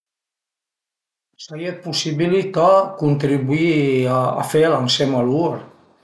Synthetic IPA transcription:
səɣiet̪̚pusiβilit̪akunt̪ɾiβuia̰felansemaluɾ

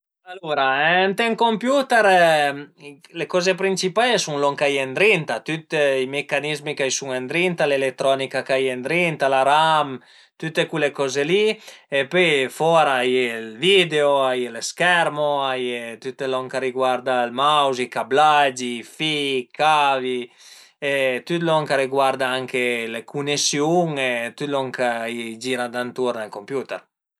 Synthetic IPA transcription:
aluɾaɛnt̪ɛŋkompjut̪ɛɾ | lekɔzepɾint͡ʃipajesuŋlɔŋkajend̪ɾint̪at̪yt̪imekanizmikajsuŋend̪ɾint̪alelet̪ɾɔnikakajend̪ɾint̪alaɾam | t̪yt̪ːekulekɔzeliepyjfɔɾaajelvid̪eoajeleskɛɾmoajet̪yt̪ːelɔŋkaɾiɡwaɾd̪almawzikablad͡ʒifikavi | et̪yt̪lɔŋkaɾiɡwaɾd̪aaŋkelekʰunesjuŋet̪yt̪lɔŋkad͡ʒiːɾad̪ant̪uɾnalkompjut̪ɛ̰ɾ

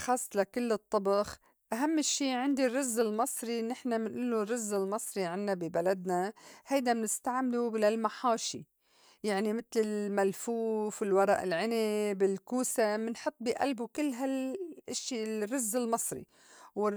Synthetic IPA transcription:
xɑːsˤːlakʊlːɨt̪ˤːɑbɑx | ʔaɦamːʃːiːʕɪnd̪irːʊzːɪlmɑsˤɾinɪħnamɪnʔuːlːurːʊzːɪlmɑsˤɾiʕɪnːabibalad̪nahajd̪amɪnɪst̪aʕmɪlulalmaħaːʃḭ | jaʕnimɪt̪lɪlmalfuːfɪlwɑɾˤɑ̰ːʔɪlʕɪnebɪlkuːsamɪnħɨt̪ˤːbiʔa̰lbukɪlːɦalʔɪʃːirːʊzːɪlmɑsˤɾḭ | wɪ

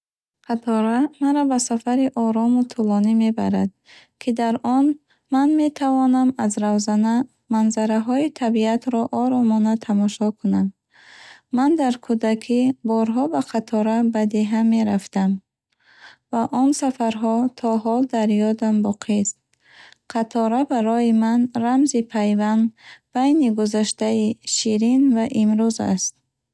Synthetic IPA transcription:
qʰat̪ʰɔɾamaɾabasafaɾiʔɔɾɔmut̪ʰulɔnime̞ba̰ɾad̪ | kʰid̪aɾɔn | manme̞t̪ʰavɔnamazɾawzana | manzaɾaɦɔit̪ʰabiat̪ɾɔʔɔɾɔmɔnat̪ʰamɔʃɔkʰunam | mand̪aɾkʰud̪akʰibɔɾɦɔbaqʰat̪ʰɔɾabad̪e̞ɦame̞ɾaft̪am | vaʔɔnsafaɾɦɔt̪ʰɔɦɔld̪aɾjɔd̪ambɔqʰist̪̚ | qʰat̪ʰɔɾabaɾɔjimanramzipʰajvand̪b̥ajniɡuzaʃt̪aiʃiɾinvaʔimɾuza̰st̪̚

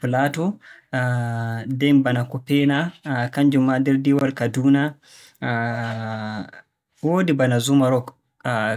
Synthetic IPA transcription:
platɔ | dɛnbanakɔpɛnakaɲd͡ʒumːadɛɾdiwalkaduna | woːdibanazumaɾɔk

